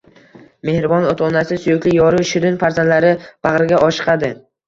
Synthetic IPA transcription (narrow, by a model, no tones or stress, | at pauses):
me̞hɾɪbɒnot̪ʰɒnasɪsʊjʊkʲlɪjɒɾʊʃɪɾɪnfaɾzand̪laɾɪb̥aʁɾɪɡʲaʔɒʃɨ̥qʰɑd̪ɪ